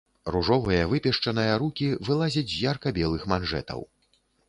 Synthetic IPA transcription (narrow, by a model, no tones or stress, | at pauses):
ruʐɔvɐjɐvɨpʲɛʂt͡ʂɐnɐjɐɾukʲivɨlˠazʲɐt͡sʲjarkɐbʲɛlˠɨxmanʐɛ̰t̪ɐ̰w